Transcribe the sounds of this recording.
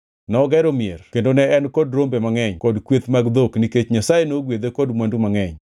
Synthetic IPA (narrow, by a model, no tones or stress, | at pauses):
nɔɡɛɾomierkendonɛɛnkɔdɾombemaŋɛɲkɔdkwet̪maɡd̪okniket͡ʃɲasajenoɡwed̪ekɔdmwandumaŋɛɲ